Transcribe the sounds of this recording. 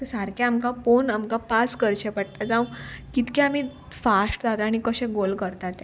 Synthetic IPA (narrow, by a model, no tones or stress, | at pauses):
t̪əsaɾkʰãamkaponamkapaskəɾt͡ɕepəɽ̚t̪ad͡zawkit̪kɛ̃am̤i | fasʈd͡zat̪aɽ̃ikəɕɛ̃ɡolkəɾt̪at̪ɛ̃